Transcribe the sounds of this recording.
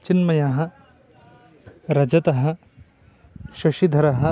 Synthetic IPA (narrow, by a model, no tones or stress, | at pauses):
t͡ʃinmɐjaːɦɐ̆ | ɾɐd͡ʒɐt̪ɐɦɐ̆ | ʃɐʃid̪ʱɐɾɐɦɐ̆